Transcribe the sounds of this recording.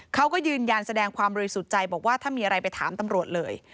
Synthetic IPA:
kʰa˦˥wkɔː˥˩jɯː˧nja˧nsa˧dɛː˧ŋkʰwaː˧mbɔː˧ɾi˧˥su˨˩t̪̚t͡ɕa˧jbɔː˨˩k̚waː˥˩t̪ʰaː˥˩nmiː˧ʔa˧ɾa˧jpa˧jt̪ʰa̰ː˩˦mt̪a˧mɾu˨˩ət̪̚lɤː˧j

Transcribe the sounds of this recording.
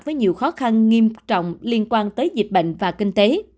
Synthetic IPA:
t̚vəː˨˦jɲi˨˩əwxɔ˨˦xa˧nŋi˧əmt͡ɕɔ̰˧˨wŋ͡mli˧ənkwaː˧nt̪əː˨˦jzi˨˩t̟̚ɓə̰˧˨ŋ̟vaː˨˩kï˧ŋ̟t̪e˨˦

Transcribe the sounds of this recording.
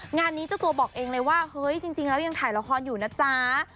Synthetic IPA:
ŋaː˧nːi˦˥t͡ɕa˨˩t̪u˧ɐbɔː˨˩k̚ʔeː˧ŋlɤː˧jwaː˥˩hɤ˦˥jt͡ɕi˧ŋt͡ɕi˧ŋlɛː˦˥wjaː˧ŋt̪ʰaː˩˦jla˧˥kʰɔː˧njuː˨˩naː˦˥t͡ɕaː˦˧˩

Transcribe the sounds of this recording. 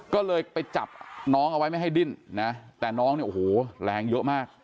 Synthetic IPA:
kɔː˥˩lɤː˧jpa˧jt͡ɕa˨˩p̚nɔː˦˥ŋʔa˧wa˦˥jma˥˩jɦa˥˩jdi˥˩nna˦˥t̪ɛː˨˩nɔː˦˥ŋni˥˩ʔo˨˩hoː˨˩lɛː˨˧ŋjɤ˦˥ʔmaː˥˩k̚

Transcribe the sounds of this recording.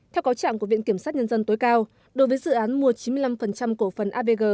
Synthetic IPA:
t̪ʰɛ˧wkaː˨˦wt͡ɕa̰ː˧˨ku˧˩əvḭ˧˨ənki˧˩əmsaː˦˥t̚ɲə˧nzə˧nt̪o˨˦jkaː˧w | ɗo˨˦jvəː˨˦jzɨ̰˧˨ʔaː˨˦nmu˧ət͡ɕi˨˦mɨ˧əjla˧mfə˨˩nt͡ɕa˧mko˧˩fə˨˩nʔaː˧ve˧ɣəː˨˩

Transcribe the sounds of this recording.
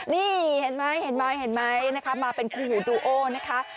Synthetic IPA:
niː˧˩he˩˦nma˦˥jhe˨˦nma˦˥jhe˨˩˦nma˦˥jna˦˥kʰa˦˥maː˧pe˧nkʰuː˧huː˨˩˦duː˧ʔoː˧˩na˦˥kʰa˦˥

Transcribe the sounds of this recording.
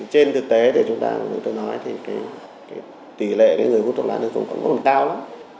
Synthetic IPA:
t͡ɕe˧nt̪ʰɨ˨˩k̚t̪e˨˦t̪ʰi˨˩t͡ɕʊ˨˦ŋ͡mt̪a̰ː˧ka˨˩t͡ɕʊ˨˦ŋ͡mt̪o˧jnɔ˨˦jt̪ʰi˨˩kaː˨˦j | kaː˨˦j | t̪i˧˩lḛ˧˨kaː˨˦jŋɨ˨˩əjfu˦˥t̪̚ʰlaː˨˦t̪ə˨˩zʊ̰˧ŋ͡mkɔ̰˧˥ŋ͡mɔ˦˥mə˨˩kaː˧wlaː˨˦m

